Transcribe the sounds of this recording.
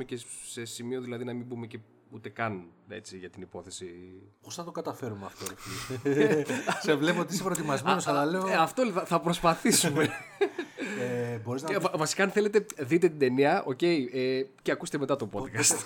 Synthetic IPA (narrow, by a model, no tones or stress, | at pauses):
ecese̞simio̞ðilɐðinɐmimbumece | ut̪e̞kɐne̞̰t͡siʝɐt̪inipo̞θe̞siposnɐt̪o̞kɐt̪ɐfe̞ɾumeɐ̰ft̪oi | sevle̞pooiisepɾot̪imɐzme̞nosɐlɐle̞oɐft̪olɐθɐpɾo̞spɐθisume | ebo̞ɾiznɐvɐvɐsi̥kɐːnθe̞le̞t̪eðit̪e̞t̪id̪e̞niɐʔo̞ce̞ieceɐkuse̥t̪eme̞t̪ɐt̪o̞po̞kɐst̪